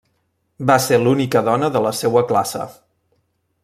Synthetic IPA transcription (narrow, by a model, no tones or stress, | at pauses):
baselunikəðɔnəðələsewəklasə̰